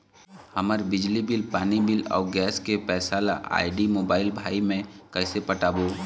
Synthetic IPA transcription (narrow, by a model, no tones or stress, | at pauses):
hɐməɾbɪd͡ʒlibɪlpaːnibɪlɔ̰ːɡɛːskepɛːsaːla̰ʔa̰ːɪɖimoːbaːɪlbʱaːimẽkəɪsepəʈaːboː